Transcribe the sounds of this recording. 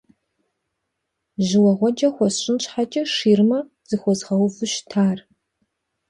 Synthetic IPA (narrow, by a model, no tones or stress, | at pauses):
ʒɪwɐʁʷɔd͡ʒɐxʷɔsɕɪnɕħat͡ʃʼɐʂiːrmɐ | z̥ɨxʷɔzʁɐwfɨʃtʰaːr